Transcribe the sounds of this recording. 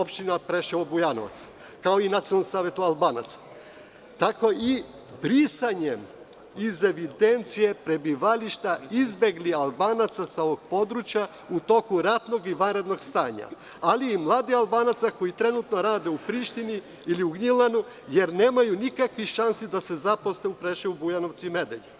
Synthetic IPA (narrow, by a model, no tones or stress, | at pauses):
opʃt̪inapɾeʃeobujanoʋa̰t̪s | kao̞inat̪ionalːmsaːʋe̞t̪ualbaːna̰t̪sḁ | t̪ako̞i | bɾisaɲem | ize̞ʋid̪e̞nt̪sije̞pɾe̞biʋaliʃt̪aizbe̞ɡlialˠbaːnat̪sasao̞ʋoɡ̥̚po̞d̪ɾut͡ɕja | ut̪o̞kuɾat̪no̞ɡiʋanɾe̞d̪no̞ɡst̪aːɲa̰aliːmlˠaːd̪ialˠbaːnat̪sako̞jit̪ɾe̞nut̪no̞ɾaːd̪eupɾiʃt̪ini | iliuɡɲilˠanu | je̞ɾne̞ːmajunikakʋiʃansid̪ase̞zapo̞sneupɾeʃiubujanoʋt̪sime̞d̪eʎe